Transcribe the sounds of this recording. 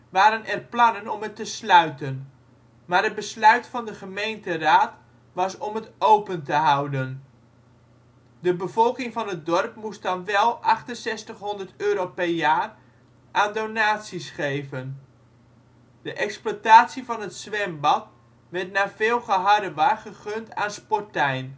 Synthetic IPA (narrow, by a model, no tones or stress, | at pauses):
ʋaːɾənʔɛrplɑnənɔmətəslœɥtən | maːrəd̚bəslœɥtfɑndəχəmejntəraːt | ʋɑsɔmətowpəntəɦawdən | dəbəvɔlˠkɪŋvɑnət̚dɔrp̚must̚dɑnʋɛlˠʔɑχtənsɛstəχɦɔndərtøːɾowpɛrjaːr | ʔaːndonaːtsisχejvən | d̥əʔɛksplataːtsivɑnɦətsʋɛmbɑt | ʋɛɹtnaːvɪːlˠχəɦɑdəʋaχəχøntaːnspɔtɛjn